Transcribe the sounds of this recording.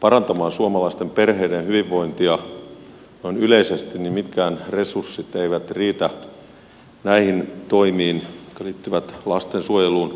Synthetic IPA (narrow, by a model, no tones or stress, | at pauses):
pɑrɑnt̪ɑmɑːnsuomɑlɑist̪emperheidenhyʋiʋːo̞int̪iɑ | noinyleisest̪innimit̪kæːnresursːit̪eiʋæt̪riːt̪æ | næihint̪oimiːnkɑliːt̪ːyʋæt̪lɑst̪ensuojeluːn